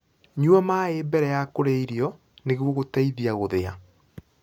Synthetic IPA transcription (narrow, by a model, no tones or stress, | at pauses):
ɲuamaeːbɛɾɛjakoɾeiɾiɔ | neɣwɔɣotaiðiaɣoðea̰